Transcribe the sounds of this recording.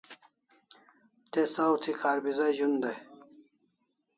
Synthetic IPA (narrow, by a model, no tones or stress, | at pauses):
t̪esawt̪ʰikʰaːɾbizɐʑund̪ɐj